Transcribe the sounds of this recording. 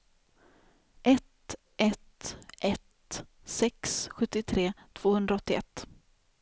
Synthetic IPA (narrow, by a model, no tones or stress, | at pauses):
ʔɛt̪ | ʔɛt̪ʔɛt̪ | sɛksɧɵt̪ːɪt̪ʰɾeːt̪ʰv̥oːhɵnd̪ɾaɔt̪ːɪʔɛ̰t̪ː